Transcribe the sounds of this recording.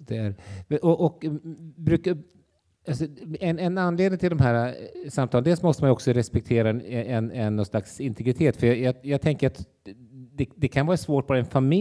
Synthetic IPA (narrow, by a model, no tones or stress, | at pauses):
d̪̥ɛæɾʔɔʔɔkbɾʉ̟ːka | alsɔɛnɛnanːleːd̪nɪŋt̪ɪld̪ɔmɦæːɾasamt̪ʰɑːlnd̪ɛlsmɔst̪əmanjɔksɔɾɛspɛk̚t̪ʰeːɾaɛɛnɛnːɔnslaksɪnt̪ʰɛɡɾɪt̪ʰeːt̪fœjɑjɑːjɑːɡ̚t̪ʰɛŋkəɾat̪ | d̪ɛd̪ɛkʰanvɑːɾasvoːʈ̚bɑːɾaɛnfamɪ